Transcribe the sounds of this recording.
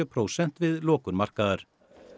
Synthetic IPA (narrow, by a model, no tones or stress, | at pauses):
œpʰɾoːwsɛn̥t̪vɪðlɔːkʏɾmar̥kaðaɾ̥